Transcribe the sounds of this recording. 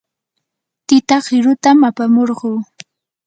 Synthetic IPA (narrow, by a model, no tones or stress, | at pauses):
t̪ɪt̪ɑχɪɾʊt̪amapamoɾɢuː